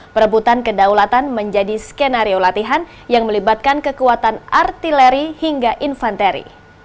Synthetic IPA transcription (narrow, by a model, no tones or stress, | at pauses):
pəɾəbut̪ankədawlat̪anməɲd͡ʒadiskenaɾiolat̪iɦan | jaŋməlibat̪̚kankəkuat̪anart̪ilɛɾihiŋɡaʔinfant̪eɾḭ